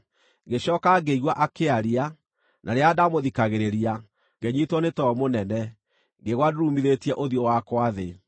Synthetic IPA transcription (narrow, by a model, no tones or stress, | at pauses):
ɡeɕɔːkaɡeiɣwaʔakeaɾia | nʔaɾeadamoðikaɣeɾeɾia | ɡɛɲitwɔnetɔɔmonɛnɛ | ŋɡeɣwaduɾumiðetiɛʔoðjɔwakwaðe